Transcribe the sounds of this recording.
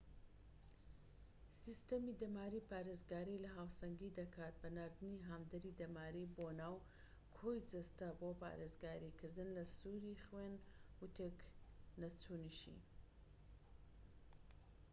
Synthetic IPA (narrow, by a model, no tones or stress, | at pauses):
sist̪ɐmid̪ɐmaːɾiːpaːɾezɡaːɾilɐɦaːwsɐŋɡid̪ɐkʰaːt̪̚bɐnaːɾd̪ɨniɦamd̪ɐɾid̪ɐmaːɾiboːnaːw | kʰojd͡ʒɐst̪ɐboːpa̰ːɾeːzɡaːɾikɨɾd̪ɨnlɐsuːɾiχweːnwut̪ʰeknɐt͡sʰuːniʃḭ